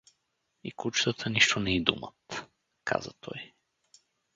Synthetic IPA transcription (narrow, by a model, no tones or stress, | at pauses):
ikut͡ʃt̪ət̪ʰəniʃt̪onɛid̪ṵmə̰t̪ | kʰa̰zə̰t̪ʰɔj